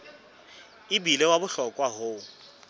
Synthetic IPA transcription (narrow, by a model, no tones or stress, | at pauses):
ɪbilɛwabʊɬɔkʼwaɦoːʊ